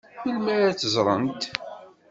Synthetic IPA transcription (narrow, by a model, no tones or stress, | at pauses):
θəlmæɾat͡sːəzˤɾˤə̰nt̪